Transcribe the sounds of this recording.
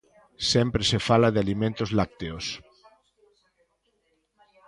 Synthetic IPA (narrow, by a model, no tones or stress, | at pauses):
sɛmpɾesefalaðɪalimẽnt̪ozlak̚t̪eos